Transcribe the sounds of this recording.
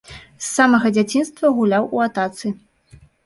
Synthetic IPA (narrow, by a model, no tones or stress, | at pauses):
sːamɐɣɐd͡zʲat͡sʲinst̪vɐɣulʲawuat̪at̪sɨ